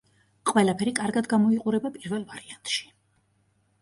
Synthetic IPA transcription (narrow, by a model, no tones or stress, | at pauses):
qʼwɛlˠapʰɛɾikʼaɾɡad̪ɡamɔiqʼuɾɛbapʼiɾvɛlˠvaɾiant̪ʼʃi̥